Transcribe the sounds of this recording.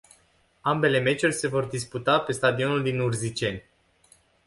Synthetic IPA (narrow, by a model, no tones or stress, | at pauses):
ambe̞le̞me̞t͡ʃurʲse̞vo̞rd̪isput̪ape̞st̪ad̪io̞nuld̪inurzit͡ʃe̞nʲ